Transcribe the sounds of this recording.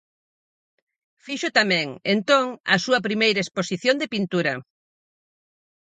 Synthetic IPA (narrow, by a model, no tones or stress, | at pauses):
fiʃʊt̪amɛ̃ŋent̪oŋɐ̰suɐpɾimejɾɐesposiθjond̪epint̪uɾɐ